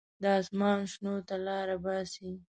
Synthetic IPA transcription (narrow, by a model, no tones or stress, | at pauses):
d̪əɑsmɑnʃnot̪alɑɾabɑsi